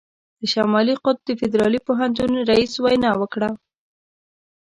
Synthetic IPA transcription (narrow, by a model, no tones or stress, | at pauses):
d̪̥əʃamɑliqʊt̪̚d̪əfɪd̪ɾɑlipoɦant̪unɾaiswajnɑwəkɽa